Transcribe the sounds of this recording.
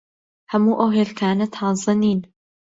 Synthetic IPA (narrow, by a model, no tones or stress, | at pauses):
hɐmuːʔɐwɦeːlk̪ʰaːnɐt̪ʰɑːzˤɨniːn